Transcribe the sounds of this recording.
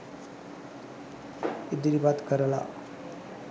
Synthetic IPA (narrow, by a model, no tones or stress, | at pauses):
id̪iɾibat̪kəɾəla̰